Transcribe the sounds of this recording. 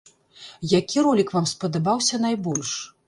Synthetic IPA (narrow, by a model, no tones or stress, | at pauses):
jakʲiɾɔlʲikvamspɐd̪abawsʲɐn̪ajbɔlʲʂ